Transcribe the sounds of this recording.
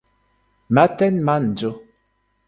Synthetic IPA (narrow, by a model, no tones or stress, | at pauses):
matɛnman̩d͡ʒo